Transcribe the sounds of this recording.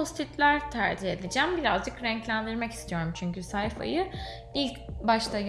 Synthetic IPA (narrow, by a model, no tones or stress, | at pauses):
ost̪it̪lʲæɾt̪ʰæɾd͡ʒihe̞d̪ed͡ʒæmbiɾazd͡ʒɯkɾɛɲclʲænd̪iɾmɛcist̪ʰijo̞ɾumt͡ʃʰyɲcysajfa̰jɯ | ilʲcbaʃt̪aj